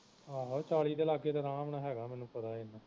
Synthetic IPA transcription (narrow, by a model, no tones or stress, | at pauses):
aːɦat͡ʃaːɭiːd̪eːlaːɡeːd̪aːɾaːmɳaːɦɛːɡaːmɛːnũːpət̪aːɪnãː